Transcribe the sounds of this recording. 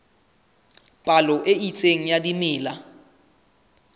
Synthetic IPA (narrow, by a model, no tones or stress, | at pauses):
pʼalɔʔeit͡sʼeŋ̩jadimɪːla